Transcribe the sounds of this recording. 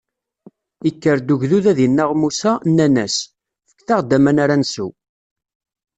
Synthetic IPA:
ikːəɾd̪uʝðuðæðinːaʁmusænːænæs | fə̥kːθaʁd̪ːæmænaɾansu

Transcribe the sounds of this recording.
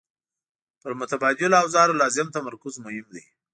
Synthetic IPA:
pəɾmʊt̪abɑd̪ɪlawzɑɾlɑzɪmt̪amaɾkʊzmʊhɪmd̪e

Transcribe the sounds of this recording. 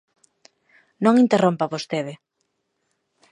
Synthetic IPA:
nõŋint̪erompaβost̪eðɪ

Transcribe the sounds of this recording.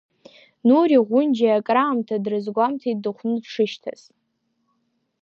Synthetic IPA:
nuɾiʁʷʊnd͡ʒaakʼraːmtʰadrɨzɡʷamtʰaidɨχʷnɨpʂʰɨʃtʰa̰s

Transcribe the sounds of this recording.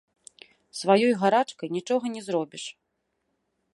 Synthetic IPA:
svajɔjɣaɾat͡ʂkɐjnʲit͡ʂɔɣɐnʲɛzɾɔbʲiʂ

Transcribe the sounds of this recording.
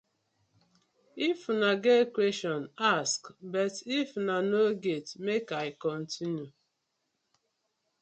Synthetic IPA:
ifunaɡekwestɔnaskbɛtifnanoɡetmekaɪkɔn̩tinju

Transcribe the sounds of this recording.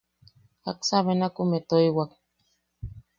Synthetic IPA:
a̰ksaβenakumet̪oiwak̚

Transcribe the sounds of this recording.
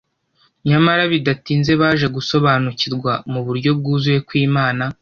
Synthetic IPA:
ɲamaɾaβidatiːnze̞βaːʒe̞ɡuso̞βaːnuciɾɡwamuβuɾɟo̞b̚ɡuːzuje̞kwiːmaːna

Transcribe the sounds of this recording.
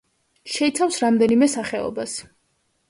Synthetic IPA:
ʃɛit̪sʰafsɾamd̪ɛnimɛsaχɛɔ̰bas

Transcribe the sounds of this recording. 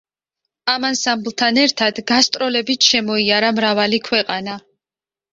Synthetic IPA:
amansamblˠt̪ʰanɛɾt̪ʰad̪ɡast̪ʼɾɔlɛbit̪ʰʃɛmɔiaɾamɾavalikʰwɛqʼana

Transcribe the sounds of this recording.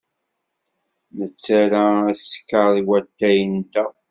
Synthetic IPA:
mət͡sːaɾaæskːəðˤiwæt̪ːæjənt̪æ

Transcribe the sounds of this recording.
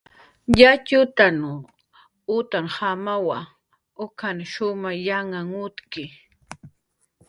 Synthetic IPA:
ʎat͡ʃʊt̪an | ʊt̪aŋhamawa | ʊkʰanʃʊmajaŋaŋʊt̪kɪ

